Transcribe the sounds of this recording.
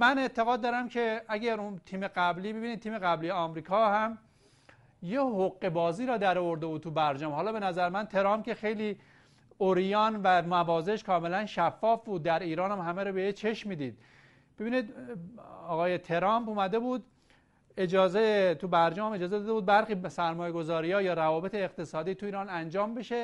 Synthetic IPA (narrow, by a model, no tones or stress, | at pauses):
mæne̞t̪ʰeɣɒːd̪̚ːɒːɾæmcʰe̞æɟæɾunt̪ʰiːmeɡæbliːbebiniːd̪̚t̪iːme̞ɣæblijeɒmɾiːkʰɒhæm | jehoɣːe̞bɒːziːɾɒːd̪æɾɔvo̞ɾd̪e̞bud̪t̪ʰubæɾd͡ʒɒːmhɒːlɒːbe̞næzæɾmænt̪ʰe̞ɾɒːmp̚kʲe̞xe̞jliː | oɾijɒːnvæmævɒːzeʃkʰɒːme̞lænʃæfːɒːfbuːd̪̚ːæɾiːɾɒːnæmɦæmeɾɔbejet͡ʃʰe̞ʃmiːd̪iːd̪̚ | b̥e̞biːniːd̪ | ɒːɣɒːjet̪ʰe̞ɾɒːmpuːmæd̪e̞buːd̪ | ed͡ʒɒːzet̪ʰubæɾd͡ʒɒːmme̞d͡ʒɒːzed̪ɒːd̪euːd̪̚bæɾxiːsæɾmɒːjeɡozɒːɾiːɒːjɒːɾævɒːbe̞t̪ʰeːqt̪esɒːd̪iːt̪ʰuiːɾɒːnænd͡ʒɒːmbe̞ʃe